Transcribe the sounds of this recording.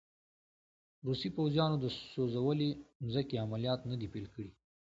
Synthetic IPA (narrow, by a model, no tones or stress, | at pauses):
ɾusipawzijɑnod̪əsozawəlenzəkeamalijɑt̪nəd̪ipelkəɽi